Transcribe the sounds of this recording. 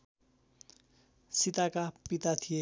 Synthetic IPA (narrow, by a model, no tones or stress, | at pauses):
sit̪akapit̪at̪ʰije